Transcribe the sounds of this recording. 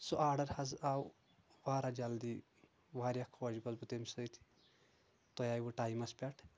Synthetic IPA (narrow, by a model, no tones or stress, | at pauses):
soʔaːɾɖɐɾhɐzaw | ʋaːɾad͡ʒald̪i | ʋaːɾjakʰːɐd͡ʒibɐzbut̪emsɐjt̪ʰi̥ | t̪ojaːjbuʈaːjmɐspʲɛʈʰ